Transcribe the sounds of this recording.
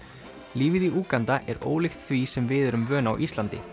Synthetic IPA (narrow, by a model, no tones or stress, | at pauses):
liːviðiʔuːkant̪aʔɛɾo̰ːwlɪxt̪θvisɛmvɪðɛɾʏmvœːna̰wʔist̪lant̪ɪ̰